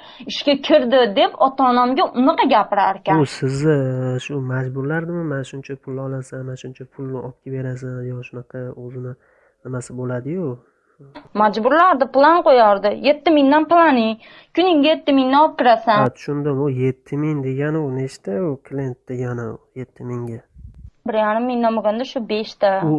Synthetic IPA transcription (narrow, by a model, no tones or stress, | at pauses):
ɪʃkʲakʲʰɪɾd̪ɪd̪e̞pɒt̪ʰɒːnamɡʲaʔʊnɨqɑɡʲapɪɾaɾkʲʰaʊsɪzɪʃʊmad͡ʒbʊɾlaɾd̪ɪmɪmanɪʃʊnt͡ʃʰapʰʊlːɒlasanmanʃʊnt͡ʃʰapʰʊlˠnɪɒp̚kʲʰabe̞ɾas̬anjɒʃʊnaqʰɑɵzɪnɪ | nɪmasɪbolad̪ɪjʊ | mad͡ʒbʊɾlaɾd̪ɪplˠanqojaɾd̪ɪje̞t̪ːɪmɪŋd̪anplˠanɪŋ | kʲʰʊnɪŋɡʲaje̞t̪ːɪmɪŋnɪɒp̚kʲɪɾasant̪ʰʊ̥ʃʊnd̪ɪmʊje̞t̪ʰːɪmɪŋd̪e̞ɡʲanɪʊneʃt̪aʊkʰlʲient̪ːɪjanaje̞t̪ʰːɪmɪŋɡʲabɪɾjaɾɪmːɪŋd̪anboɡʲand̪aʃʊbe̞ʃt̪a